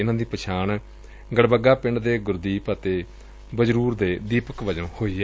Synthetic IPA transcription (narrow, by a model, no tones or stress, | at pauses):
ɪnãːd̪iːpət͡ʃʰaːn | ɡəɽbəɡaːpɪɳɖd̪eːɡʊɾd̪iːpət̪eː | bəd͡ʒɾuːɾd̪eːd̪iːpəkʋəd͡ʒõːhoːiːɛ